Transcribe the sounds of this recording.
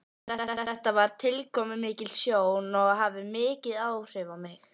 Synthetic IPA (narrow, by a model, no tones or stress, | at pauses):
ɛɛht̪avaɾ̥t̪ʰɪlkʰɔːmʏmɪːcɪlsjoːwnɔɣɦavɪmɪːcɪðawr̥ɪvawmɪx